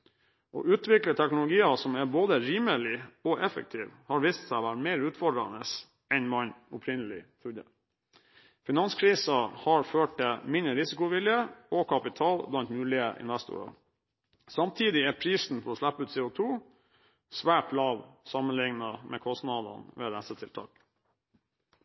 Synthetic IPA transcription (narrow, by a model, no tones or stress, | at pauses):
ʔɔ̰ʔʉːt̪ʰʋɪklət̪ʰɛknʊlʊɡiːɑsɔmæɾboːd̪əɾiːməlɪɔʔɛfə̰k̚t̪ʰiːʋhɑɾʋiːst̪sæɪʋæɾmeɪɾʉːt̪fɔɖɾɑ̰nəs | ɛnmɑɲʊpʰɾɪnəlɪ̰t̪ʰɾud̪ə | fɪnɑnskʰɾiːsɑhɑɾføːʈ̚t̪ɪmɪnɾəɾɪsɪkʊʋɪljəɔkʰɑpɪt̪ʰɑːlblɑnt̪mʉːlɪəʔɪ̰nʋæst̪ʊ̰ɾɑ̰ | sɑmt̪ʰiːd̪ɪæɾpʰɾiːsn̩fʰɔɔːʂlæpːəʉːt̪sɛːʊt̪ʰuː | sʋæːʈlɑːʋsɑmənlɪŋnɑmʔɛːkʰɔst̪nɑd̪ɑ̰nʋḛːd̪æsət̪ʰɪlt̪ʰɑːk